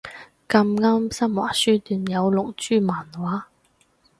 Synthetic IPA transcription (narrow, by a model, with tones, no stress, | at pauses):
kɐ˧mŋaː˥msɐ˥mwa̰ː˨˩syː˥t̪yː˨˩njɐ˨˧wlʊ˨k̚t͡ʃyː˥maː˨˩nwaː˨˥